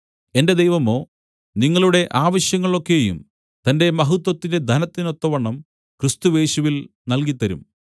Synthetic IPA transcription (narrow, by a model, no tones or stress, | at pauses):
e̞nde̞d̪ejʋɐmo̞ː | niŋːɐɭuɽe̞ʔaːʋɐɕjɐŋːɐɭo̞kːe̞jṵm | t̪ɐnde̞mɐɦut̪wɐt̪ːinde̞d̪ʱɐnɐt̪ːino̞t̪ːɐʋɐɳːɐm | krɨst̪uje̞ːɕuʋilnɐlkit̪ːɐɾṵm